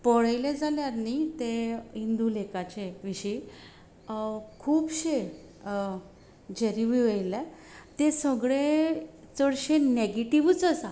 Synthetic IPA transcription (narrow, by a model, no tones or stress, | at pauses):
pəɽajled͡zaljanit̪eind̪ulekat͡ɕeʋiɕi | kʰuːpɕe | d͡ʑeɾiʋiʋejlɛ | t̪esəɡɭe | t͡səɽɕeneɡeʈiʋut͡səsa